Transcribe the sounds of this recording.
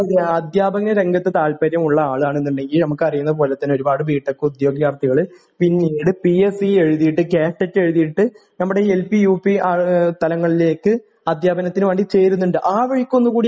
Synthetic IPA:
ɐd̪jaːbɐɣnɐɾe̞ŋɡɐt̪ːɨt̪aːlpɐɾjɐmuɭːɐaːɭɨaːɳe̞nːuɳɖe̞ŋɡilnɐmukːɨɐrijunːɐðɨpo̞ːlet̪ːɐnːoɾubaːɽɨʋiːʈːokːeud̪jo̞ːɡijaːrt̪ːiɣɐɭɨ | pinːejɽɨpiesie̞ɻuðijiʈːɨkeːʂːɐtːe̞ɻuðijiʈːɨ | nɐmːuɽe̞elpijuːpiaːt̪ɐlɐŋːɐɭile̞ːkːɨ | ɐd̪ʱjaːbɐnɐt̪ːinɨʋɐːɳɖit͡ɕe̞jɾunːuɳɖɨʔaːʋeɻikʲːo̞nːukuːɽi

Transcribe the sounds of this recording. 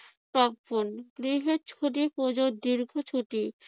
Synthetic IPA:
pɾɔbonɡ̥ɾiɦeɾt͡ɕʰoʈipod͡ʑod̪iɾɡʱot͡ɕʰuʈi

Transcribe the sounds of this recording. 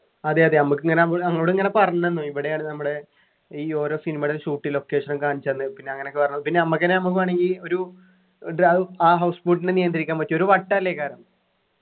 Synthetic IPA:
ɐðeɐðenɐmukːɨŋːɐneɐʋɐŋːɐʋɽiŋːɐne̞pɐrɐɲːenːuiʋiɽejaːɳɨnɐmːuɽe | iːo̞ːɾo̞ːsinimɐɽiʂuːʈːilo̞kːe̞ːʂɐnɐmkaːɳit͡ɕːɐɐnːɨpinːe̞ɐŋːɐneokːɨpɐrɐɲːɐðɨpinːeɐmːɐkːɐnenɐmuk̬ːɨaːɳeŋɡilo̞ɾu | ɖɐɨaːɦɐwspuːʈːinenijɐnd̪ɐɾikʲːaːmʋɐtːio̞ɾuʋɐʈːɐɐlːekːaːɾɐm

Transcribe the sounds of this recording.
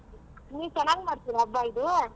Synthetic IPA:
niːʋt͡ʃɛnaːɡmaːɽt̪iːɾɐbːaːid̪u

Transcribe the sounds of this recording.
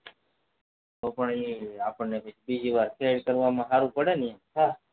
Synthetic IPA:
opəɳiapəɳnepət͡ʃʰbid͡ʒiʋaɾkʰeɖkəɾʋamãɦaɾũpəɽenijɛɦa

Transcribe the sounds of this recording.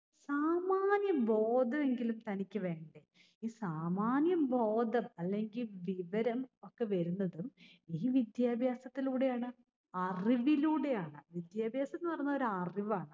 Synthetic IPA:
saːmaːnjɐmbʱo̞ːd̪ʱɐme̞ŋɡilumt̪ɐnikʲːɨʋe̞ːɳɖe | iːsaːmaːnjɐmbʱo̞ːd̪ʱɐmɐlːe̞ŋɡilʋiʋɐɾɐmo̞kːe̞ʋɐɾunːɐðumiːʋid̪jaːbʱjaːsɐt̪ːiluːɽe̞jaːɳɨ | ɐriʋiluːɽe̞jaːɳɨʋid̪jaːbʱjaːsɐt̪ːnːɨpɐrɐɲːɐoɾuɐriʋaːɳɨ

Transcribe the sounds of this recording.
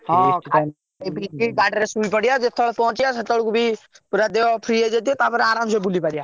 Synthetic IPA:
ɦɔ̃ka | biiɡaːɖɾesuːlpəɽijad͡ʒet̪ʰːəɭpɔɦʊ̃t͡ʃijasət̪ːəɭkubʱi | puɾad̪eopʰɾied͡ʒet̪̬iet̪apəɾaːɾãːmsebulipaɽijaː

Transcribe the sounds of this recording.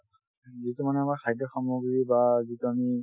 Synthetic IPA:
zitumanɛamaɹkʰajdɔxɔmoɡɹibazituami

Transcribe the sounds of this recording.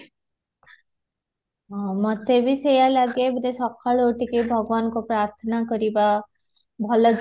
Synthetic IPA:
ɦmʌt̪ebʱisejalaɡebɾesɔkʰːaɭoːʈikibʱʌɡʋaːnkopɾaːɾt̪ʰənakəɾiba | bʱʌlə

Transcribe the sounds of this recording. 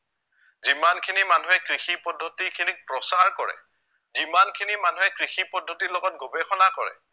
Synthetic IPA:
zimankʰinimanuɦɛkɹixipɔdʱːotikʰinik̚pɹɔsaɹkɔɹɛ̰ | zimankʰinimanuɦɛkɹixipɔdʱːotilɔɡɔt̚ɡobɛxɔnakɔɹɛ̰

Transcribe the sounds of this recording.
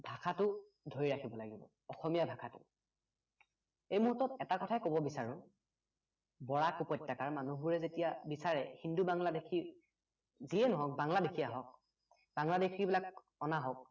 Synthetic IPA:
bʱakʰatʊ | dʱoɹiɹakʰibɔlaɡibɔ̰ | ɔxɔmijabʱakʰatʊ̰ | ejmuɦutːɔtɛtakɔtʰaɛkobɔbisaɹʊ̃ | bɔɹakupɔjtːakaɹmanuɦbuɹɛzetijabisaɹɛhindubaŋladekʰi | ziɛnɔɦɔk̚baŋladekʰiaɦɔk̚ | baŋladekʰibilak | ɔnaɦɔk̚

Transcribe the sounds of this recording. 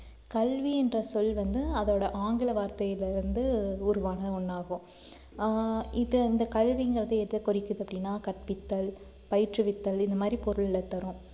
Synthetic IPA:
kɐɭʋiɛndrɐsɔlʋɐnd̪ɯɐðoːɽɐʔaːŋɡɪlɐʋaːɾt̪ɐjɪlɪɾɯnd̪ɯʊɾʊʋaːnɐðʊɳːaːɣʊ̃ | ɪðɪnd̪ɐkɐɭʋiŋɡɪɾɐðɯɛɾɯðɐkɔɾɪkːɯðɯɐpːɐɽɪnːaːkɐʈ̚pɪt̪ːɐl | pɐjɪʈrɯʋɪt̪ːɐlɪnd̪ɐmaːd̪ɾipɔɾɯɭɪlɐt̪ːɐɾʊ̃

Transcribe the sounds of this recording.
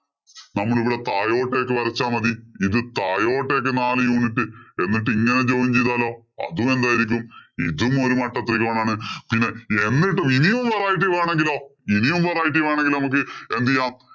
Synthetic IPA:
nɐmːɐɭiʋiɽet̪aːjo̞ːʈːe̞ːkːɨpɐɾɐt͡ɕːaːmɐðiiðɨt̪aːjo̞ːʈːe̞ːk̬ːɨnaːlɨjuːnitːɨe̞nːiʈ̬ːɨiŋːɐne̞t͡ɕoːniɲt͡ɕejðaːlo̞ː | ɐ̰ðume̞nd̪aːjiɾikʲːumḭðumo̞ɾumɐʈːɐt̪ːrikʲːɐmɐːɳaːɳɨpinːe̞enːiʈːuminijumʋɐraːjiʈ̬ːiʋeːɳe̞ŋɡilo̞ːinijumʋeraːjiʈ̬ːiʋeːɳeŋɡilnɐmuk̬ːɨend̪ijːaːm

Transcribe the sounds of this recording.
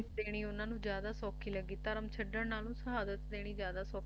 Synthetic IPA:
d̪eːɽ̃iːʊnãːnũːd͡ʒjaːd̪aːsɔːkʰiːləɡːiːt̪əɾəmt͡ʃʰəɖəɾnaːlũːsəɦaːd̪ət̪d̪eːɽ̃iːzjaːd̪aːsɔːk

